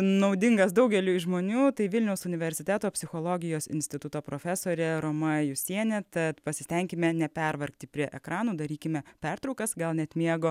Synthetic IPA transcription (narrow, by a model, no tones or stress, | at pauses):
nɐʊd̪ʲɪŋɡɐsd̪ɐʊɡʲɛlʲuːʒmoːnʲuːt̪ɐɪʋʲɪlʲnʲɛʊsʊnʲɪʋʲɛɾʲsʲɪt̪ʲæːt̪oːpʲsʲɪxoːlˠoːɡʲɪjoːsɪ̰nʲsʲt̪ʲɪt̪ʊt̪oːpɾoːfʲæsoːɾʲɛɾoːmɐjʊsʲiɛnʲɛt̪ɐt̪pɐsʲɪsʲt̪ʲɛŋʲkʲɪmʲɛnʲɛpʲɛrʋɐrʲkt̪ʲɪpʲɾʲiɛʔɛkɾɑːnuːd̪ɐɾʲiːkʲɪmʲɛpʲɛrt̪ɾɔʊkɐsɡɐlˠnʲɛt̪mʲiɛɡoː